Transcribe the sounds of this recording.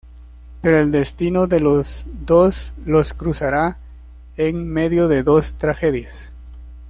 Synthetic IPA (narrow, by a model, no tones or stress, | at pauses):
pe̞ɾoeld̪e̞st̪inoðelozd̪osloskɾusaɾa | eŋme̞ðjo̞ðe̞ðo̞st̪ɾaxe̞ðjas